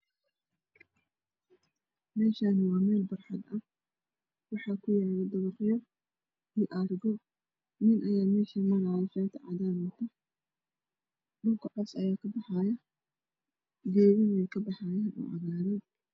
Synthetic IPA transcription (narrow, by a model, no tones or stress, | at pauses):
mɛːʃaːnwɑːmɛːlbɐrħɑd̪ɐ | wɑħɑːkʰʊjaːlɛd̪ɐβɐqjɔ | ɪːʔɐrɡɔ | nɪnʔɐjaːmɛːʃɐmɐɾɐjɐʃɛːnt̪ʰɐʕɑ̰daːnɐt̪ʰɐ | ɗʊŋkʰɐʕɔsɐ̰jaːkʰɐbɑħɑjɐ | ɡɛːβɪnɛjkʰɐbɑħɑːjaːnʔɔ̰ːʔɐɣaːɾɐ